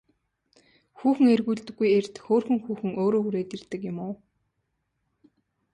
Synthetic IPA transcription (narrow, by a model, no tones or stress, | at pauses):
xuːxɘ̆ŋerɣuːɮt̪ɵ̆ɡːujert̪xoːrxɵ̆ŋxuːxɘ̆ŋoːɾoːɣuɾeːt̪irt̪ɘ̆kjʊmʊː